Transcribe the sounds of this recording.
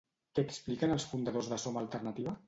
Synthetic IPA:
kɛːksplikənəlˠsfund̪əðozðəsomaəlˠt̪ərnət̪iβə

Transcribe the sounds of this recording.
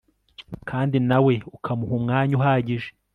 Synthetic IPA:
kʰaːndinawe̞ukʰamuɦumŋaːɲuɦaːɟiʒe

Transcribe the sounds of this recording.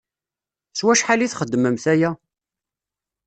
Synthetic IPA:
swæʃħaliθχəd̪ːəməmθæjæ

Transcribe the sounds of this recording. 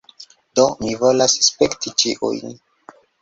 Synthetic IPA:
domivolasspektit͡ʃiʔṵjn

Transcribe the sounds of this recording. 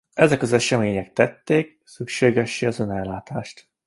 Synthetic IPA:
ɛzɛkɒzɛʃɛmeːɲɛk̚t̪ɛt̪ːeːk̚ | sykʃeːɡɛʃːiɒzonɛlːaːt̪aːʃt̪

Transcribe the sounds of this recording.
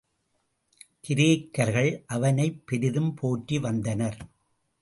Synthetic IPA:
kɪɾeːkːɐɾɣɐɭʔɐʋɐnɐɪpːɛɾɪðɯmpʰoːʈːiʋɐnd̪ɐnɐɾ

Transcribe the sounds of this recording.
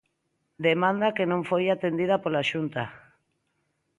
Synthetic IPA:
d̪emãnd̪akenõɱfojat̪end̪ið̞apolaʃunt̪a

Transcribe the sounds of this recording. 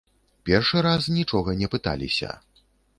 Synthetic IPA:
pʲɛrʂɨɾasnʲit͡ʂɔɣɐnʲɛpɨt̪a̰lʲḭsʲɐ̰

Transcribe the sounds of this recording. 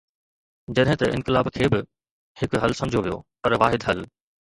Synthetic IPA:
d͡ʑɐɗɦɪ̃t̪ɐʔɪ̰̃nkɪlaːbkʰeːbɪ | hɪkɦɐlsɐ̃md͡ʑʱoʋijo̰pɐɾʋaːɦɪd̪ɦɐl

